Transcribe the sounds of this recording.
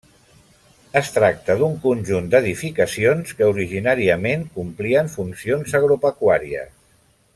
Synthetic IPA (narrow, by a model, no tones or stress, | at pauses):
əst̪ɾak̚t̪əðuŋkunʲʒund̪əðifikəsionskəuɾiʒinaɾiəmeŋkumpliəɱfunsionzəɣɾupəkwaɾiə̰s